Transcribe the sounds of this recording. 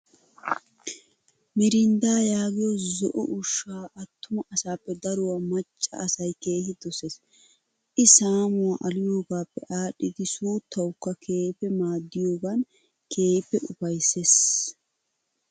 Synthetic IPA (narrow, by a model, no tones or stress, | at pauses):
mɪɾɪnd̪aːjaːɡɪjɔzɔʔɔ̰ʔʊʃːaːʔɐt̪ːʊmɐʔɐsaːpːɛd̪ɐɾʊwaːmɐt͡ʃʼːɐ̰ɐsɐjke̞ːhɪd̪ɔses | ʔɪsaːmʊwaːʔɐlɪjo̞ːɡaːpːɛ̰ʔaːɗːɪd̪ɪsuːt̪ʰːɐwkːɐkʰe̞ːpːɛmaːd̪ːɪjo̞ːɡɐn | kʰe̞ːpːɛʔʊpɐjsːeːs